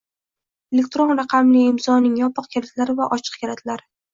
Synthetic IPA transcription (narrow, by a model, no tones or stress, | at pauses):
ele̞k̚ʲt̪ɾo̞nɾaqʰɑmlɪɪmzɒnɪŋjɒpʰɨqkʲʰaɾat̪ʰlaɾɪvaʔɒt͡ʃʰɨ̥q̚kʲaɾat̪ʰlaɾɪ